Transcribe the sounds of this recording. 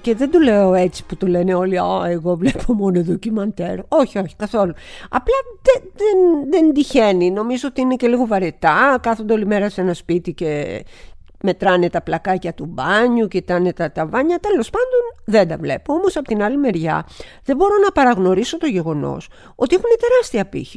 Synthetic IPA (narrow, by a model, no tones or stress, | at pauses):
ce̞ðend̪uleo̞e̞t͡si̥put̪ole̞neo̞liɐeɣo̞vlepʰomo̞noeðocimɐnt̪eɾo̞çio̞çi̥kɐθo̞luɐ̰plɐðeðenðend̪içe̞nino̞mizo̞ot̪iine̞ce̞liɣo̞vɐɾet̪ɐkɐθond̪eo̞lime̞ɾɐse̞nɐspit̪ice̞ | me̞t̪ɾɐne̞t̪ɐplɐkɐcɐt̪ubɐɲucet̪ɐne̞t̪ɐt̪ɐvɐɲɐt̪e̞lo̞spɐnd̪o̞nðe̞nd̪ɐvle̞poo̞mo̞sɐpot̪inɐlime̞ɾʝɐ̰ | ðebo̞ɾo̞nɐpɐɾɐɣno̞ɾiso̞t̪o̞ʝe̞ɣo̞no̞̰s | o̞t̪iexunet̪e̞ɾɐst̪iɐpḭçi̥